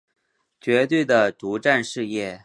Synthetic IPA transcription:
t͡ɕɥɛ˧˥t̪we˥˩ɪd̪ə˩ʈ͡ʂu˧˥ʈ͡ʂa˥˧nʂɻ̩˥˧jɛ˥˩

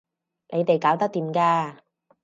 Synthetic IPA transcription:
nʔe˨˧jt̪e˨jkaː˨˥wt̪ɐ˥t̪iː˨mkaː˧

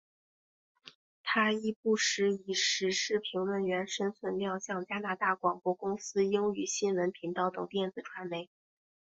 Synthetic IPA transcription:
t̪ʰa˥i˥˧pu˥˩ʂɻ̩˧˥i˨˩ʂɻ̩˧˥ʂɻ̩˥˩pʰi˧˥ŋlə˥˩nɥɛ˧˥nʂə˥nswə˥˧nljɑ˥˧ŋɕjɑ˥˩ŋt͡ɕja˥na˥˧t̪a˥˩kwɑ˨˩ŋpwɔ˧˥kʊ˥ŋsɹ̩˥jʊ˥ŋy˨˩ɕi˥nwə˧˥npʰi˧˥ŋt̪ɑ˧˥ʊt̪ɤ˨˩ŋt̪jɛ˥˩nd͡zɹ̩˨˩ʈ͡ʂʰwa˧˥nme˧˥ɪ

